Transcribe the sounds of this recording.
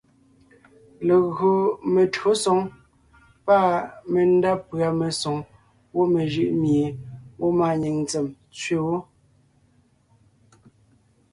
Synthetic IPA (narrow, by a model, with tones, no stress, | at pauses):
le˨ɣo˨me˨to˨˦sɔ˨˦ŋ | pa˦˨me˨n̩˦da˦pɰa˨me˨so˨ŋ | wo˦me˨ʒɯ˦˨ʔmje˨wʔo˦ma˨ɲi˨ŋnt͡se˨m | t͡sɥe˦wo˦